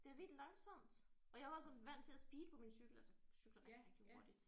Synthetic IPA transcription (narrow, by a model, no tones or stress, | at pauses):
d̥e̝æʋid̥lɑ̈ŋsɒ̽m̰d̥ɒ̽jɑʋɑ̈sɒ̽nʋæn̰̥t͡sʰe̝æsb̥iːd̥əpʰɒ̽minsyɡ̥l̩ælsɒsyɡ̥lɐʁ̥e̥ɡiʁeɡ̥̚d̥iho̝ɐd̥id̥